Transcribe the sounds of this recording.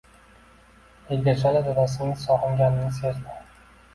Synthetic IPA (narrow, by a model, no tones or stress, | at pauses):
elʲd̪eɾsad̪ad̪ad̪as̬ɪnɪŋsɒʁɨŋɡʲanɪnɪseɾd̪ɪ